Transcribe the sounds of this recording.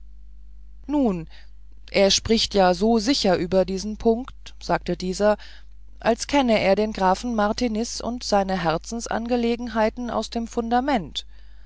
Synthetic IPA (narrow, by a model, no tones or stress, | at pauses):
nuːn | ʔeːɐʃpʁ̥ɪçtjaːzoːzɪçɐʔyːbɐdiːzn̩pʰʊŋkt | z̥aːk̚tədiːzɐ | ʔalskʰɛnəʔeːɐdeːnɡʁaːfn̩maʁtʰinɪsʊ̰ntz̥aɪnəɦɛɐt͡sn̩sʔa̰nɡəleːɡŋ̩ɦaɪtn̩ʔa̰ʊsd̥eːmfʊndamɛnt